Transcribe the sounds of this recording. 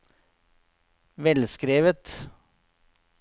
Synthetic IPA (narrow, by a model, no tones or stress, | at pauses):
ʋɛlskɾeːʋət̪